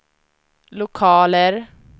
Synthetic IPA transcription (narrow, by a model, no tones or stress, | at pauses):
lʊkʰɑːləɾ